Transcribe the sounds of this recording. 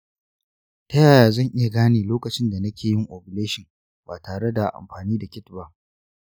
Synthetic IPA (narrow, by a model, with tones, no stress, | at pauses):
tɐ˦jaː˨jaː˨zɐ˦˨ŋʔɪ˦ja˨ɡaː˦neː˨loː˦kɐ˨t͡ʃɪ˦nda˨nɐ˦kʲeː˨jɪ˦ŋʔoː˨bɪ˨leː˦ʃɪ˨ŋ | baː˨taː˨ɽe˦da˨ʔa̰˨mɸaː˨niː˦da˨kʲɪ˦tba˦ʔ